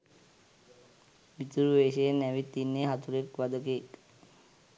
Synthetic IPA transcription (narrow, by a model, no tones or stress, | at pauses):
ʋit̪uɾʋeːʃeenːæʋit̪ːinːeɦat̪uɾekʋad̪əkeːk